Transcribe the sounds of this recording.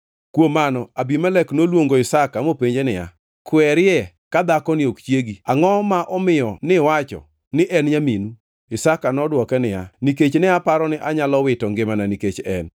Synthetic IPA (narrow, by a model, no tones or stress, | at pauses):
kwomanɔabimɛlɛknolwoŋɡoɪsakamopeɲd͡ʒenɪja̰ | kwɛɾɪɛ | kad̪akɔnɪokt͡ʃjeɡiaŋɔmaʔɔmɪjɔnɪwat͡ʃɔ̰ | nɪʔɛnɲaminu | ɪsakanɔdwɔkɛnɪja̰niket͡ʃnɪapaɾɔnɪʔaɲalɔwɪtɔŋɡɪmananiket͡ʃɛ̰n